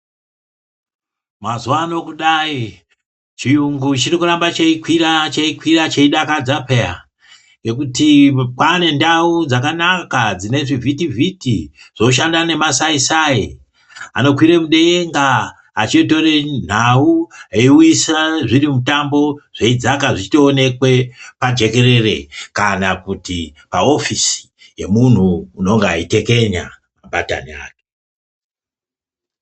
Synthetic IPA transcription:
mazuwano̞kuɗai | t͡ʃijuŋɡut͡ʃirikurambat͡ʃeikwirat͡ʃeikwirat͡ʃeiɗakad͡zapea̰ | ŋɡe̞kutikwane̞ndaud͡zakanakad͡zine̞ʐivitivʱitiʐ̥o̞ʃ̬andane̞masaisai | a̰no̞kwiɾemuɗe̞eŋɡaː | t͡ʃeto̞ren̤aueiuisaʐirimutambo̞ʐ̥eid͡zakaʐit͡ʃi̥toːne̞kwe̞pad͡ʒe̞ke̞ɾe̞re̞̰kanakutipao̞fisi̥ | je̞mun̤uːno̞ŋɡeaite̞ke̞ɲa̰ | mabata̰nia̰ːke̥

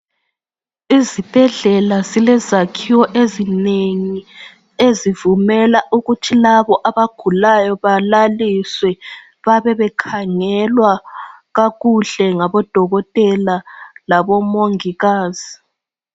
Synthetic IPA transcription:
izib̥ʱɛɮɛlazilɛzakʰiwɔʔezineŋi | ezivumɛlaʔuɣutʰilaβɔʔaβaɡ̥ʱulajɔβalaliswɛ | βaβɛβɛkʰaŋɛlwaɣaɣuɮɛŋaβɔd̥ʱɔɣɔtʼɛlalaβɔmoŋiɣaːz̥i

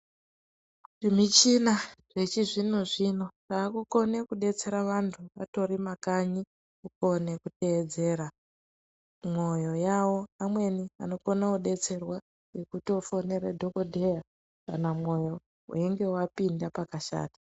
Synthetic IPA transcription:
ʐimit͡ʃinaʐe̞t͡ʃiʐino̞ʐino̞raːkuko̞ne̞kuɗe̞t͡se̞ɾaʋantʰuʋato̞ɾimakaɲi | kuko̞ne̞kute̞ːd͡ze̞ːɾa | mo̞jo̞jawo̞amwe̞niano̞konakuɗe̞t͡se̞rwa | ɡe̞kutiofo̞ne̞ɾedʱo̞ko̞dʱe̞ja | kanamo̞jo̞ | ṵeŋɡe̞wapindapakaʃa̰ːtḁ

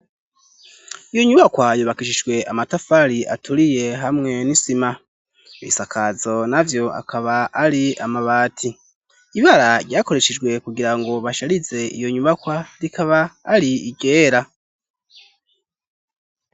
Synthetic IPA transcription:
ijo̞ɲuβakwajuβakiʃid͡ʒɡwe̞ʔamatafaɾiʔa̰tʰuɾije̞ɦamŋe̞nisima | βḭsakʰazo̞navjo̞a̰kʰaβaːɾiamaβaːtʰi | iβaɾaɾɟaːko̞ɾe̞ʃed͡ʒɡwe̞kuɡiɾaŋɡo̞βaʃaɾize̞ḭjo̞ɲuβakwaɾikʰaβaːɾiiɡe̞ːɾa

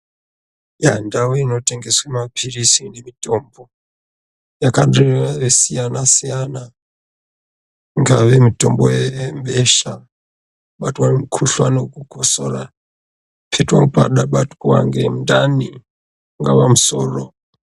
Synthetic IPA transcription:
jandawuinoteŋɡeswemapʰiɾisindimitɔmbo | jakaɗeaβesijanasijana | ŋɡaβemitombɔjembɛʃa | ɓatwaɾimukʰuɬwanokukʰosɔɾa̰ | pʰetwapa̰ɗaɓatu̥kuwa̰ŋɡem̩ndani | ŋɡapamusɔːrɔ

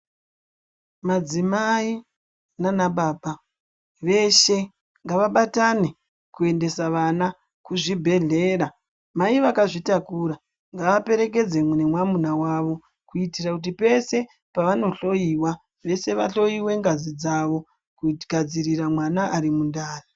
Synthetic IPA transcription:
mad͡zimai | nanaɓaːɓa | ʋe̞ʃe̞ | ŋɡaʋaɓatane | kue̞nde̞saʋana | kuʐibʱe̞ɮe̞ːra | maiʋakaʐitakuɾa | ŋɡaʋape̞ɾe̞k̬e̞d͡zemune̞mwamunawaʋo̞ | kuitirakut̬ipe̞se̞ | paʋano̞ɬo̞jiwa | ʋe̞se̞ʋa̰ɬo̞jiwe̞ŋɡazid͡zaʋo̞ | kuɡʱad͡ziriramwanaʔaɾimundaːra

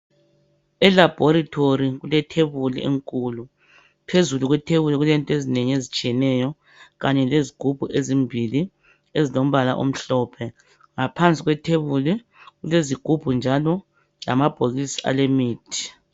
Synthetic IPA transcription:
ɛlab̥ʱoɾitʰoriɣulɛtʰeβulieŋkʼulu | pʰezuluɣwɛtʰeβuliɣulɛntʼezineɲiezit͡ʃʼiɛnɛjɔ | ɣaɲɛleziɡ̥ʱub̥ʱuʔezimbʱili | ezilom̩βala̰ʔo̰m̩ɬɔːpʰɛ | ŋapʰant͡sʼiɣwɛtʰeβuli | ɣuleziɡ̥ʱub̥ʱund͡ʒʱalɔ | la̰mab̥ʱoɣisi̥a̰lemiːtʰi̥

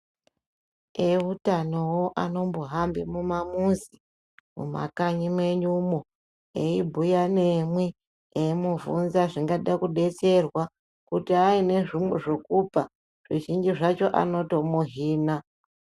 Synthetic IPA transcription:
eutano̞woʔano̞mboɦambimumamuzi | mṵma̰kaɲimwe̞ɲumo | eibʱujane̞mwe | eimuvunzaʐiŋɡaɗakuɗe̞t͡se̞rwa | kutiaine̞ʐimweʐokupa | ʐ̥iʒiɲd͡ʒiʐat͡ʃo̞ʔa̰no̞to̞muɦiːna

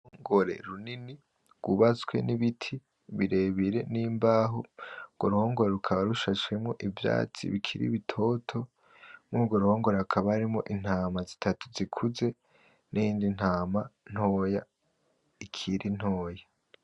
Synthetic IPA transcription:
oŋɡoɾe̞̰ɾunini | ɡ̥uβat͡swe̞̰niβitʰi | βiɾe̞βiɾe̞niːmbaːɦoɡwoɾuhoːŋɡoɾeɾukʰaβaɾuʃat͡ʃwemŋo̞ʔivja̰ːt͡sḭβikʰiɾḭβitʰo̞tʰo̞ | muɡo̞ɾuhoːŋɡo̞ɾeakʰaβaaɾimŋo̞̰ʔin̥haːmazitʰatu̥zikʰuze̞ | nʔiːndin̥haːman̥ho̞ːja | ikʰiɾʔin̥ho̞ːja

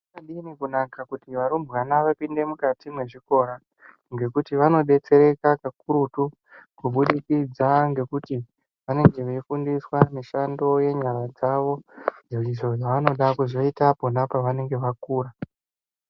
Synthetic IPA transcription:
aɗinikunakakutiʋaɾumbwanaʋapinde̞mukatimwe̞ʐiko̞ɾa | ŋɡe̞kutiʋano̞ɗe̞t͡se̞ɾe̞kakakuɾutu | kuɓuɗikid͡zaŋɡe̞kuti | ʋane̞ŋɡe̞ʋeifundiswamiʃando̞je̞ɲaɾad͡zaʋo̞neriʐo̞ʐaʋano̞ɗakuʐoitaponapaʋane̞ŋɡe̞ʋakuːɾa

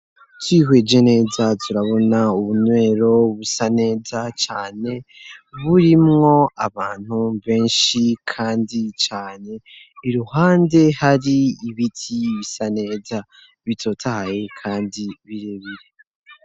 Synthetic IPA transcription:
twiːɦwe̞d͡ʒe̞ne̞ːzatʰuɾaβo̞nauβunwe̞ːɾo̞βusane̞ːzat͡ʃaːne̞βuɾimŋo̞aβaːn̥huβe̞ːnʃikʰaːndit͡ʃaːne̞ | iɾuhaːnde̞haɾiiβitʰiβisane̞ːza | βitʰo̞ːtʰahaje̞kʰaːndiβiɾeβiɾe

